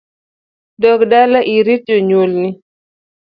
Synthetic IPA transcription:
dɔkdalaʔiɾitoɲolni

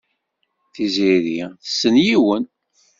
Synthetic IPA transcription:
θiziðiθə̥sːənjiwən

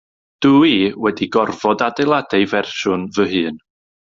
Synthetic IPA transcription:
d̥uiwɛdiɡɔrvɔdadelˠadejvɛrʃʊnvəɦɨːn

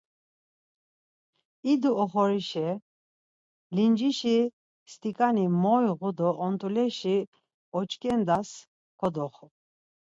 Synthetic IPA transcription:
id̪uɔχɔɾiʃɛ | lind͡ʒiʃi | st̪ʼikʼanimɔjɣud̪ɔʔːnt̪ʼulɛʃi | ɔt͡ʃʼkʼɛnd̪as | kʰɔd̪ɔχɔ

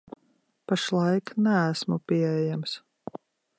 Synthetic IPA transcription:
paʃlˠɑjknæːsmupʲiɛɛɛjams

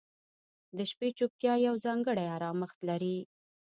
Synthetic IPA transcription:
d̪əʃpet͡ʃup̚t̪jɑjawzɑŋɡəɽajaɾɑməxt̪laɾi

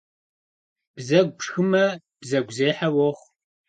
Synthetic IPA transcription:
b̥zɐɡ̚ʷpʂxɨmɐ | b̥zɐɡʷzeːħawɔχ

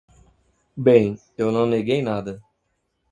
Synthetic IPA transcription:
bẽj̃ | ewnɐ̃w̃neɡejnad̪ɐ

